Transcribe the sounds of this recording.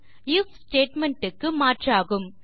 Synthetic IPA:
ɪfsʈeːʈmɛɳʈɯkːɯmaːʈraːɣɯm

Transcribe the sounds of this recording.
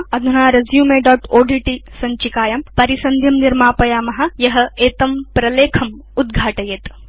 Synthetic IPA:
ɐd̪ʱɐnaːɾɐzjuːmeɖɔːʈoːɖiʈisɐɲt͡ʃikaːjɐmpɐɾisɐnd̪ʱjɐmniɾmaːpɐjaːmɐɦɐ̆jɐɦɐ̆eːt̪ɐmpɾɐleːkʰɐm | ud̪̚ɡʱaːʈɐjeːt̪

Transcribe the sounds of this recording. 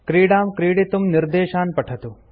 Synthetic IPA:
kɾiːɽaːmkɾiːɽit̪umnɪɾd̪eːʃaːnpɐʈʰɐt̪u

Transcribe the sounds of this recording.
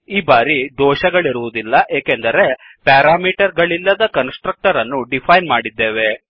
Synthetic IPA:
iːbaːɾid̪ʱɔːʃɐɡɐɭiɾuʋud̪ilːɐʔeːkend̪ɐɾe̞ | paːɾaːmiːʈɐɾɡɐɭilːɐd̪ɐkɐnsʈɾɐk̚ʈɐɾɐnːuɖipʰɐjnmaːɽid̪ːe̞ːʋe̞

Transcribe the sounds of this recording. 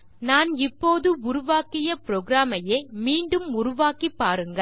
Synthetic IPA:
naːnɪpːoːðɯʊɾʊʋaːkɪjɐpɪɾoːɡɾaːmɐjeːmiːɳɖɯmʊɾʊʋaːkipːaːɾɯŋɡɐ

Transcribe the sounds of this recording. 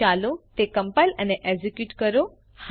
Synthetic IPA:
alot̪ekə̃mpajləneʔed͡ʒikjuːʈkəɾo | h

